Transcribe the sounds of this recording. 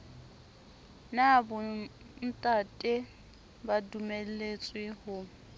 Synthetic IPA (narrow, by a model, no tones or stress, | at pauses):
nabʊ | n̩tʼatʼɪ | badumel̩let͡sʼwɪhʊ